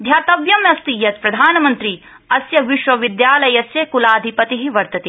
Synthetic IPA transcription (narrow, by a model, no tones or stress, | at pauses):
d̪ʱjaːt̪ɐʋjɐmjɐst̪ijɐt̪̚pɾɐd̪ʱaːnɐmɐnt̪ɾi | ɐsjɐʋiʃʋɐʋid̪jaːlɐjɐsjekulaːd̪ʱipɐt̪iɦiʋɐɾt̪ɐt̪i